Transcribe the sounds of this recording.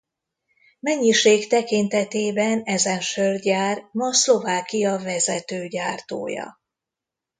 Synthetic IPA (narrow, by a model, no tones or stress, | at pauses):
mɛɲːiʃeːkt̪ɛkint̪ɛt̪eːbɛnɛzɛnʃørd̪jaːrmɒslo̞vaːkijɒvɛzɛt̪øːɟaːrt̪o̰ːjɒ̰